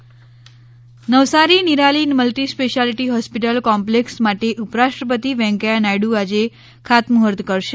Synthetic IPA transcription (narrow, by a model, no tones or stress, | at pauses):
nəʋsaɾiniɾalinməlʈispeʃalʈiɦɔspiʈəlkɔmpleksmaʈeʔupɾaʃʈɾəpət̪iʋɛ̃ŋkajanajɽuad͡ʒe | kʰat̪muɦəɾd̪kəɾʃe